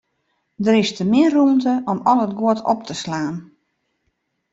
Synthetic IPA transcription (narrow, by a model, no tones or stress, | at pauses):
dəɾɪstəmɪərumtəʔɔmɔlˠət̚ɡwoətʰɔ̰p̚tʰəslaːn